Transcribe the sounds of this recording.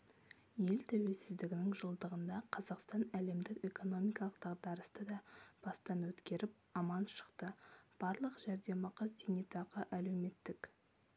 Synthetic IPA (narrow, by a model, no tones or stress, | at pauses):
je̞lt̪ʰæwe̞lsɪzd̪ɪɡʲɪnɪŋʒəlˠd̪əʁənd̪ɑqʰɑzɑqst̪ɑnæle̞md̪ɪke̞ko̞no̞mijkɑlˠəqd̪ɑʁd̪ɑɾəst̪əd̪ɑb̥ɑst̪ɑnwɵt̪kʲe̞ɾɪp̚ɑmɑnʃə̥qt̪əb̥ɑɾlˠəqʒæɾd̪e̞mɑqɑd̪enet̪ɑʁəʔæle̞wme̞t̪ːɪk